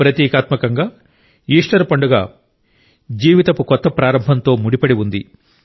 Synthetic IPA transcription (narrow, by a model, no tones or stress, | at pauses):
pɾɐt̪jɛːkaːt̪mɐkɐŋɡaː | iːʂʈɐɾpɐɳɖuɡa̰ː | d͡ʒiːʋit̪ɐpukɔt̪ːɐpɾaːɾɐmbʱɐnt̪o̞ːmuɽipɐɽiʋund̪i